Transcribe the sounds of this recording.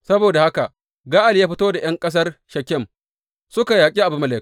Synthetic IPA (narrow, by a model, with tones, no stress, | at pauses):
sɐ˦boː˨da˨ha˦ka˨ | ɡaː˦ʔa˨ljaː˦ɸɪ˦toː˦da˨j̰ɐ˦ŋkʼɐ˦s̬ɐ˦rʃɐ˨kʲːɛ˦m | sʊ˦ka˨jaː˨kʲʼi˦ʔa˨bʊ˨mɐ˨leː˨